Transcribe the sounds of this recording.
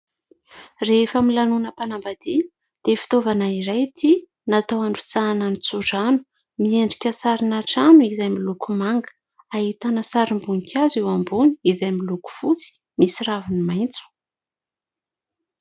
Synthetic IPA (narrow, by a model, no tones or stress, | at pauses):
refəmilanunəpanambad̪̥i | d̪̥efi̥t̪ovanaiɾajt̪ʰi | nat̪awaɳɖ͡ʐu̥t͡sananit͡suʈ͡ʂanu̥ | mieɳɖ͡ʐikʲəsaɾinaʈ͡ʂanuizajmilukumaŋɡə̥ | aɦit̪anəsaɾimbuŋikʰʲazewambuniizajmiluku̥fut͡si̥ | misiɾavinimajnt͡su̥